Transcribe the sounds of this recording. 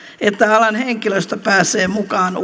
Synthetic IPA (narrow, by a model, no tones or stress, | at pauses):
et̪ːæɑlɑnheŋkiløst̪æpæːsˑeːmukɑːn